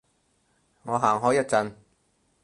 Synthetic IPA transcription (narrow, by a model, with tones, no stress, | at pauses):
ŋɔː˨˧ɦaː˨˩ŋɦɔː˨˥jɐ˥t̚t͡sɐ˧n